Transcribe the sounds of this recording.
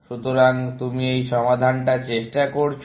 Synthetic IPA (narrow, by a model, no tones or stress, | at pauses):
ʃut̪oɾaŋt̪umiejʃɔmad̪ʱanʈat͡ɕeʃʈakoɾt͡ɕʰ